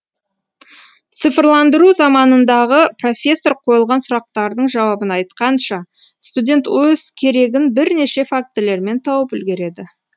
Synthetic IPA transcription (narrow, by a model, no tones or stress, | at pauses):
t̪sɨfrlˠɑnd̪əɾuzɑmɑnənd̪ɑʁəpro̞fʲe̞sːo̞ɾqʰo̞jəlˠʁɑnsʊɾɑq̚t̪ɑɾd̪əɴʒɑwɑbənɑjt̪qɑnʃɑ | st̪udʲe̞nt̪wɵz̥kʲʰe̞ɾe̞ɡʲɪnbɪɾne̞ʃe̞fak̚t̪ɪle̞ɾme̞nt̪ʰɑwəpʏlɡʲe̞ɾe̞d̪ɪ